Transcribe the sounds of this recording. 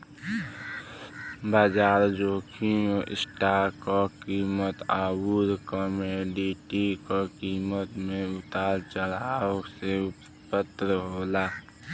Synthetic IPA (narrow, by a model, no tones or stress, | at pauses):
baːd͡ʒaːɾd͡ʒoːkʰioʔɪ̰sʈaːɾkɔkiːmət̪aːbuɾkɔmeɖiʈikokiːmət̪mẽʊt̪aːɾt͡ʃəlase | pət̪ːɾəɦoːlaː